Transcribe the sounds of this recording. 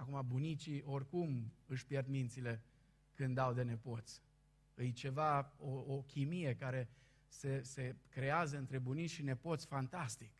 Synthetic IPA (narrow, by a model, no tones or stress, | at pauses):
akumabunit͡ʃiʔo̞rʲkumɨʃʲpjerd̪mint̪sile̞ | kɨnd̪awd̪e̞ne̞po̞t̪sʲ | ɨjt͡ʃe̞vaookʲimije̞kaɾe̞ | se̞se̞kɾe̞azəɨnt̪ɾe̞bunit͡ʃʲʃine̞po̞t̪sʲfant̪ast̪ik